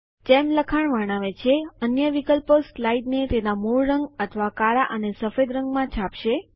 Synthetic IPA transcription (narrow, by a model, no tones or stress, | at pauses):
temləkʰaɳʋəɳaʋet͡ʃʰeənjəʋikəlpəslaiɖnet̪enamuɭɾəŋɡət̪ʰəʋakaɭaʔənesəfed̪ɾəŋɡmãt͡ʃʰapʃe